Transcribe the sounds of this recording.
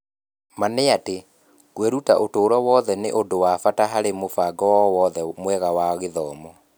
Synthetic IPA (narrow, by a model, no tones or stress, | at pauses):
maneate | kweɾutaʔotoːɾwɔwɔðɛnḛʔodowafataɦaɾemofaɡɔwɔwɔðɛmwɛɣawaɣeðɔːmɔ